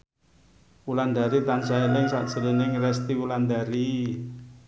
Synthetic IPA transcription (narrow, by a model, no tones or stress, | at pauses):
wuland̪aɾit̪ansaelɪŋsaʔd̥ʒ̥ə̤linɪŋrɛst̪iwuland̪aɾi